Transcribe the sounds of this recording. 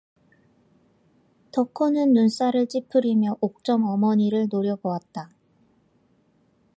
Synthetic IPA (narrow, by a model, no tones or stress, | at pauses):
tʌkʰonɯnːuns͈aɾɯɭt͡ɕ͈ipʰɯɾimjʌʔok̚t͡ɕ͈ʌmʌmʌɲiɾɯɭnoɾjʌbowat̚t͈a